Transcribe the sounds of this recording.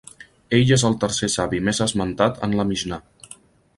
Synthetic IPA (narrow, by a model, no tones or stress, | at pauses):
ejezəlˠt̪əɾsesaβimezəzmənt̪at̪ʰə̰nləmizna